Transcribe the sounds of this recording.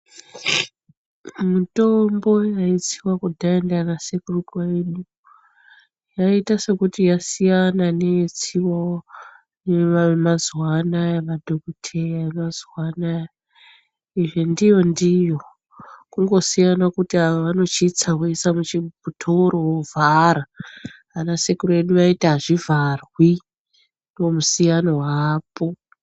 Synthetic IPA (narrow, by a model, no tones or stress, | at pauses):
muto̞mbo̞jait͡siwakudʱaendanasekurukwaeɗu | jaitase̞kutijasijananeit͡siwao | neamazwanajaʋadʱokutʰejaemazwanaj | iʐendijo̞ndijo̞ | kuŋɡo̞sijanakutiaʋaʋano̞t͡ʃit͡sawesamut͡ʃibʱutʰoɾowovʱaɾa | anasekuroeɗuʋaitaʐivʱarwi | ndiwomusijanowaːpo̞